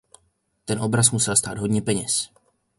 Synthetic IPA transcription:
t̪ɛnʔo̞bɾasmusɛlst̪aːd̪ɦo̞dɲɛpɛɲɛs

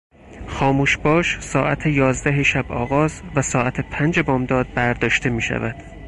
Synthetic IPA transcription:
xɒːmuːʃbɒːʃsɒːʔæt̪ʰejɒːzd̪æɦeʃæbɒːɣɒːzvæsɒːʔæt̪ʰepʰænd͡ʒebɒːmd̪ɒːd̪̚bæɾd̪ɒːʃt̪e̞miːʃæ̰væd̪̥

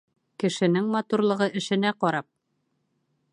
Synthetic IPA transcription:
kɘ̆ʃɘ̆nɘŋmɑt̪uɾlˠɤ̆ʁɤʔɘ̆ʃɘ̆næqɒɾɑp̚

